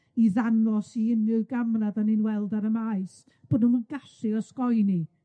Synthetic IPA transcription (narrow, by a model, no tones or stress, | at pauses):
iðanrɔsiɪnɨɡamnaðanɨnwɛlˠdaɾəmaɨs | b̥ɔdnumənɡaɬɨɔskɔjni